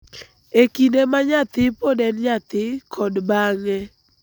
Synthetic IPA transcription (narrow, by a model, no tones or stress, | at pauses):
ekinemaɲat̪ɪpodɛnɲat̪ɪkʰɔdbaŋɛ